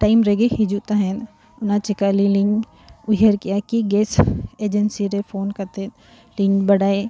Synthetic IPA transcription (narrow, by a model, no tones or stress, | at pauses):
ʈaːɪmɾeɡeɦɪd͡ʒut̪aɦɛn | ʊnãt͡ʃɪkaːliliŋ | ʊɦəɾkijakiɡeːseːd͡ʒənsiɾefʰoːnkɐɾt̪ẽ | lɪ̃ɲbɐɽaːe